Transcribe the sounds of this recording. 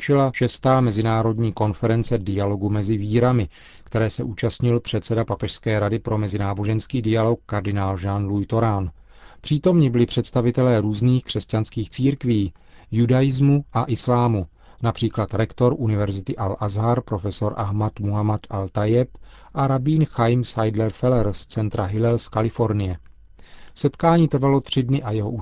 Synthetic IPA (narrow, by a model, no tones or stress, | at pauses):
t͡ʃɪlaʃɛst̪aːmɛzɪnaːɾo̞dɲiːko̞nfɛɾɛnt͡sɛdɪjalo̞ɡumɛzɪviːɾamɪ | kt̪ɛɾɛːsɛʔuːt͡ʃast̪ɲɪlpr̝̥ɛt̪sɛdapapɛʃskɛːɾadɪpɾʔo̞mɛzɪnaːbo̞ʒɛnskiːdɪjalo̞k̚ːaɾdɪnaːlʒanlujt̪o̞ɾan | pr̥iːt̪o̞mɲɪbɪlɪpr̝̥ɛt̪st̪avɪt̪ɛlɛːɾuːzniːxkr̥ɛscanskiːxt͡siːɾkviː | judajɪzmuʔaʔɪslaːmu | napr̥iːklat̪ɾɛkt̪o̞ɾʔunɪvɛɾzɪt̪ɪʔalʔazɦaɾpɾo̞fɛso̞ɾʔaɦmat̪muɦamat̪alt̪ajɛp | ʔaɾabiːnxajmsajdlɛɾfɛlɛɾst͡sɛnt̪ɾaɦɪlɛlskalɪfo̞ɾnɪjɛ | sɛt̪kaːɲiːt̪ɾ̩valo̞t̪r̝̥ɪdnɪʔajɛɦoʔu